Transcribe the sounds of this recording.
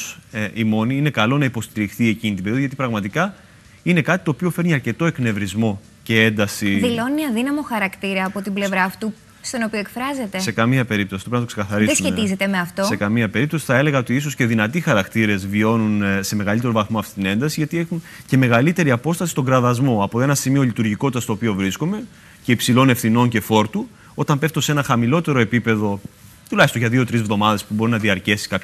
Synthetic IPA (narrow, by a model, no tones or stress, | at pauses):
sʔimo̞niine̞kɐlo̞nɐipo̞st̪iɾixθie̞cinit̪ibeioðʝɐt̪ipɾɐɣmɐt̪ikɐ | ine̞kɐt̪i̥t̪o̞ːpio̞feɾniɐɾce̞t̪o̞e̞kne̞vɾizmo̞ | ce̞e̞nd̪ɐsiðilo̞niɐðinɐmo̞xɐɾɐkt̪iɾɐːpo̞t̪ible̞vɾɐːft̪u | st̪onopioekfɾɐze̞t̪e̞se̞kɐmiɐpe̞ɾip̚t̪osit̪opɾinɐt̪okse̞kɐθɐɾiðesumçet̪izet̪e̞meɐft̪os̞e̞kɐmiɐpe̞ɾipt̪o̞si̥θɐe̞le̞ɣɐo̞t̪iiso̞sce̞ðinɐt̪ixɐɾɐkt̪iɾe̞zvio̞nunse̞me̞ɣɐlit̪e̞ɾo̞vɐθmo̞ɐft̪i̥t̪ine̞nd̪ɐsiʝɐt̪ie̞xunce̞me̞ɣɐlit̪e̞ɾiɐpo̞st̪ɐsist̪o̞ŋɡɾɐðɐzmo̞ɐpoe̞nɐsimio̞lit̪uɾʝiko̞t̪it̪ɐst̪oːpio̞vɾiskome̞ | ce̞ipsilo̞ne̞fθino̞nce̞fo̞ɾt̪u | o̞t̪ɐmpe̞ft̪ose̞nɐxɐmilo̞t̪e̞ɾo̞epipe̞ðo̞ | t̪ulɐçist̪oʝɐðiot̪ɾizvðo̞mɐðe̞spubo̞ɾinɐðiɐɾce̞si̥kɐp